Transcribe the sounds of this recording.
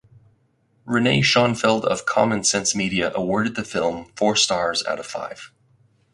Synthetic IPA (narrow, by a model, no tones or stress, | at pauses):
ɹɨneɪʃɑ̃nfɪlˠdʌ̰v̥kʰɑ̰mɨ̃nsɛ̃nsmiɾiɨʔəwɔɹɾɨd̪̚ðɨfɪlˠɱfɔɹstɑɹza̰ɾʌv̥fa̰ɪv̥